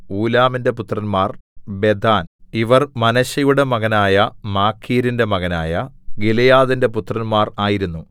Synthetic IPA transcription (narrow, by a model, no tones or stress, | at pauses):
uːlaːminde̞put̪rɐnmaːrbe̞d̪ʱaːniʋɐrmɐnɐɕɐjuɽe̞mɐɣɐnaːjɐmaːkʰːiːɾinde̞mɐɣɐnaːjɐɡilɐjaːðinde̞put̪ːrɐnmaːraːjiɾunːu